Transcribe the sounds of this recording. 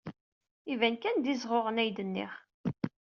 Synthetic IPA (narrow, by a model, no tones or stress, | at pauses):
ivænkænd̪izʁoʁənæjd̪ənːḭχ